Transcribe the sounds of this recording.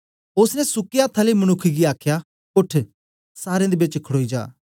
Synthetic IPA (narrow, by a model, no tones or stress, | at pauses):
ʊsnɛsʊkijaːt̪ʰːaːləiməñʊkʰːiɡiaːkʰja | ʊʈʰ | saːɾẽd̪eːbɪt͡ʃkʰəɽoːid͡ʒa̰ː